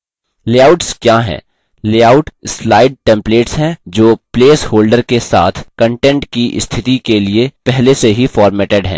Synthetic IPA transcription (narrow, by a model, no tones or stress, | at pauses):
leːaːʊʈskjaːɦɛ̰̃ː | leːaːʊʈslaːɪɖ̚ʈɛ̃ːmpleːʈsɦɛ̃d͡ʒoːpleːshoːlɖəɾkesa̰ːt̪ʰkə̃ɳʈɛ̃ɳʈkiʔɪ̰st̪ʰɪt̪ikeliepɛɦleseɦifɔːɾmɛːʈeɖɦɛ̰̃ː